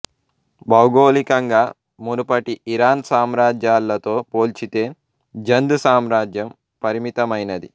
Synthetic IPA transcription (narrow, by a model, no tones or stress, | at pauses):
bɐwɡoːlikɐŋɡaː | munupɐʈiiɾaːnsaːmɾaːd͡ʒjaːlːɐt̪o̞ːpoːlt͡ʃit̪e̞ː | d͡ʒɐnd̪usaːmɾaːd͡ʒjɐm | pɐɾimit̪ɐmɐjnɐd̪i